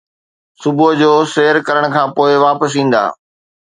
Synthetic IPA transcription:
sʊbʊd͡ʑoːseːəɾkɐɾəɽ̃̆kʰãːpoːɪʋaːpəs̬ĩːn̆d̪a̰ː

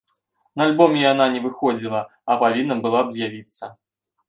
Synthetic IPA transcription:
nɐalʲbɔmʲɛjan̪anʲɛvɨxɔd͡zʲilˠɐ | ɐpavʲinːɐbɨlˠabzʲjavʲit̪sːɐ

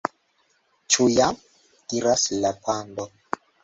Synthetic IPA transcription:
t͡ʃujam | diɾaslapʰandɔ

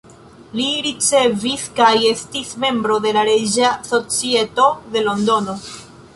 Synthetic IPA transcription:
liɾit͡se̞viskaje̞stisme̞mbɾo̞de̞laɾe̞d͡ʒaso̞t͡sie̞to̞de̞lo̞ndo̞no

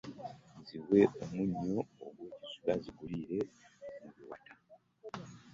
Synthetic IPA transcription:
ziwe̞omuɲːo̞ːɡweːɟizuɡaziɡuliɾe̞muβiwa̰ta

